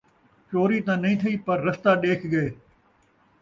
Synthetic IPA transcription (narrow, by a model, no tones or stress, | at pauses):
t͡ʃoːɾit̪ãːnɐɦĩːt̪ʰɐiːpɐɾːɐst̪aːɗeːkʰɡɐeː